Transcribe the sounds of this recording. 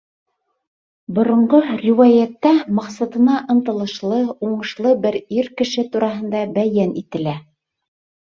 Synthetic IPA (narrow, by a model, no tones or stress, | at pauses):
bŏɾŏɴɢorʲiwajæt̪ːæmɑqsɑt̪ɤ̆nɑʔɤ̆nt̪ɤ̆lˠɤ̆ʃlˠɤuɴɤ̆ʃlˠɤbɘɾiɾkɘ̆ʃɘt̪uɾɑɦɤ̆nd̪ɑbæjænit̪ɘ̆læ